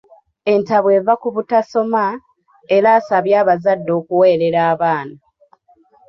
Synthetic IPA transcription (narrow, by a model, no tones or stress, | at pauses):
e̞ntaβwe̞ːvakuβutaso̞ma | e̞ɾaːsaβjaːβazadːo̞ːkuwe̞ːɾe̞ɾaːβaːna